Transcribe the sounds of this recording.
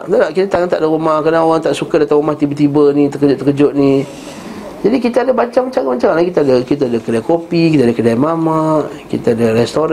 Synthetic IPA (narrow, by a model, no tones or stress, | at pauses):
t̪adaʔkit̪at̪aŋant̪aʔdəɣumahkadaoɣaŋt̪aʔsukadat̪aumaht̪ibət̪ibənit̪əkəd͡ʒʊʔt̪əkəd͡ʒʊʔ̚ni | d͡ʒadikit̪aadəbaɲt͡ʃamat͡ʃaŋbaɲt͡ʃaŋnlakit̪aadəkit̪aadəkədajkopikit̪adəkədajmamaʔ | kḭt̪aadəɾɛst̪oɾ